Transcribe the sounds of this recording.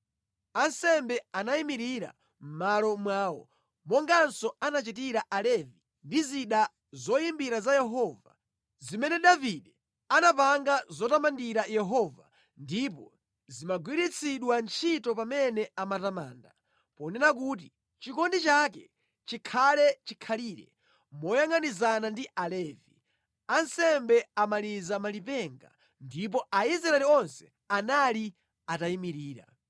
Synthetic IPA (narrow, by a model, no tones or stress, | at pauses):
ansɛmbɛanaimiɾiɾa̰ | m̩malɔmwaːwɔ̰ | mɔŋɡansɔanat͡ʃit̬iɾaʔalɛvi | ndiziɗa | zɔjimbiɾazajɛɦɔva̰ | zimɛnɛɗaviɗɛ | anapaŋɡazɔtamandiɾajɛɦɔva | ndipɔ | zimaɡwiɾit͡sʰiɗwant͡ʃʰitɔpamɛnɛamatama̰ːnda | pɔnɛnakut̬i | t͡ʃikɔndit͡ʃakɛ | t͡ʃikʰalɛt͡ʃikʰaliːɾɛ̰ | mɔjaŋanizanandiʔalɛːvi | ansɛmbɛamalizamalipɛŋɡa̰ | ndip̬ɔaiz̬ɾaɛliɔnsɛ̥ | anali | ataimiɾiːɾa̰